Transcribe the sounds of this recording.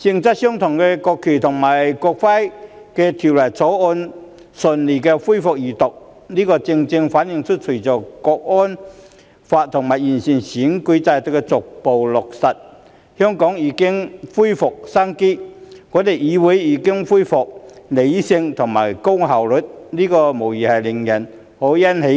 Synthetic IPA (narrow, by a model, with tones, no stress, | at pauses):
t͡sɪ˧ŋt͡sɐ˥t̚sœː˥ŋt̪ʰʊ˨˩ŋkɛː˧kɔː˧kʰːyː˨˩t̪ʰʊ˨˩ŋmaː˨˩jkɔː˧k̚fa˥jkɛː˧t̪ʰiː˨˩wlɐ˨˩t͡sʰɔː˨˥wɔː˧n | sə˨nliː˨˩kɛ˧fu˥jfʊ˨k̚jiː˨˩t̪ʊ˨k̚niː˥kɔː˧t͡sɪ˧ŋt͡sɪ˧ŋfaː˨˥njɪ˨ŋt͡ʃʰɵ˥t̚t͡ʃʰu˨˩t͡sɔː˨˩kɔː˧k̚ʔɔː˥n | faː˧t̚t̪ʰʊ˨˩ŋma˨˩jiː˨˩nsi˨nsiː˨˥ŋkɵ˨˥jt͡saː˧jt̪o˨˩kːɛ˧t͡sʊ˨k̚po˨wlʊ˨k̚sɐ˨t̚ | hœː˥ŋkɔː˨˥ŋjiː˨˥kɪ˥ŋfuː˥jfʊ˨k̚sa˥ŋkiː˥ŋɔː˨˧˥t̪e˨jiː˨˧wu˨˥jiː˨˧˥kɪ˥ŋfuː˥jfʊ˨k̚le˨˧jsɪ˧ŋt̪ʰʊ˨˩ŋmaː˨˩jkʊ˥ŋɦɐ˨˩wlɵ˨t̚niː˥kɔː˧mo˨˩wjiː˨˩hɐ˨jlɪ˨˩ŋjɐ˨˩n | ho˨˥wjɐ˥nhe˨˥j